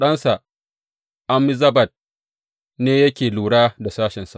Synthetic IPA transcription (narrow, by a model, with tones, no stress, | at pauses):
ɗɐ˦nsa˨ | ʔa˦mɪ˦zɐ˦bɐ˨t̚ | neː˦jɐ˦kʲeː˨luː˨ɽaː˦da˨saː˦ʃɪ˨nsa˨